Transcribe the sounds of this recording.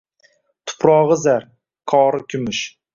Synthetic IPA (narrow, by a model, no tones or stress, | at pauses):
t̪ʰʊ̥pʰɾɒʁɨzaɾ | qʰɒːɾɨkʲʰʊmɪʃ